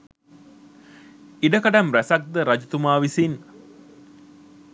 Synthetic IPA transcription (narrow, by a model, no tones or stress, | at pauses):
iɖəkaɖamɾæsak̚d̪əɾad͡ʒut̪umaːʋisin